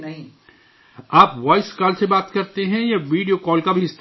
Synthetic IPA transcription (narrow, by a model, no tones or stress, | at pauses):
nɐɦĩ | aːpʋaːɪskaːlsebaːt̪kɐɾt̪eɦɛ̃jeʋiːɖijokɔːlkabʱiɪst̪